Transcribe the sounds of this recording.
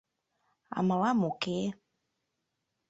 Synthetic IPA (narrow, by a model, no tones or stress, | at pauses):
a̰malamuke